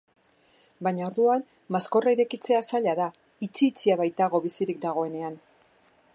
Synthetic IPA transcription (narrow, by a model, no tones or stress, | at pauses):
baɲao̞ɾðuan | masko̞raiɾe̞kit͡se̞asaʎaða | it͡siːt͡siaβajt̪aɣo̞βisiɾik̚d̪aɣ̞o̞e̞ne̞an